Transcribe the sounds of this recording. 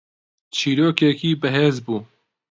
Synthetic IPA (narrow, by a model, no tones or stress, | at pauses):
t͡ʃʰiːɾoːkɛkiːbɨɦeːzbuː